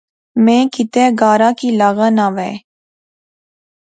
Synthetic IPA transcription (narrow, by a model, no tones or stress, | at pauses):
mẽːkɪt̪eːɡaːɾaːkiːlaɣənaʋɛ̰ː